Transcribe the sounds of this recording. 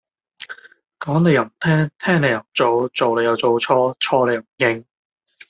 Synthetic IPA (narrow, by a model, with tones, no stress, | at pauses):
kɔː˨˥ŋne˨˧jɐ˨˩˨m̩˨˩t̪ʰɛː˥ŋt̪ʰɛː˥ŋne˨˧jɐ˨˩wm̩˨˩t͡so˨˧wt͡so˨wle˨˧jɐ˨˧wt͡so˨˧wt͡sʰɔː˥t͡ʃʰɔː˥le˨˧ja˨˩m̩˨˩jɪ˥ŋ